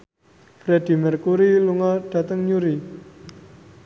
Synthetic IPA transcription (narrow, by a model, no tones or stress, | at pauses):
ɾed̥i̤mərkuɾiluŋaɖ̥a̤t̪əŋɲuɾi